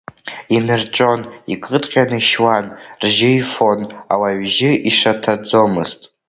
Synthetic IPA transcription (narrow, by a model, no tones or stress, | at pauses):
inɨrʈ͡ʂʼo̞nikʼɨdʼqʲʼanɨʃwanrʒɪifo̞na̰waɥʒɪʔiʂatʰad͡zo̞mɨztʼ